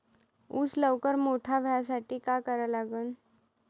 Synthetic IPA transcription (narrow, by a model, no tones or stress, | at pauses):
uːt͡sləʋkəɾmoʈʰabʱjasaʈiːkakəɾəlaɡəːn